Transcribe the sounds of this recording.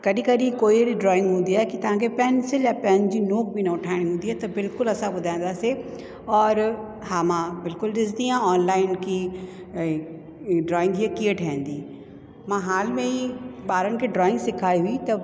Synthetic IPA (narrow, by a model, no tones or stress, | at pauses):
kɐɗĩkɐɗĩkoːieɾiɖɾɔːɪ̃ŋɡɦũːn̆d̪iaːɦɛkit̪ɐʋ̤ãkʰepɛnsɪljãpɛnɪ̆d͡ʑiːnoːk̚bʱinɐʊʈʰaːɪɽ̃iɦũːnd̪iaːt̪ɐbɪlkʊlɐsãɓʊd̪ʱaːj̃n̆d̪aːsi | ɔːɾ | haːmãbɪlkʊlɗɪs̬d̪iãɔːnlaːɪnkʰi | ɖɾɔːɪ̃ŋɡɦiekieʈʰaːɦə̃n̆d̪iː | mãːɦaːlmẽiɓaːɾənɪ̆kʰeɖɾɔːɪ̃ŋɡsɪkʰaːiɦuit̪ɐ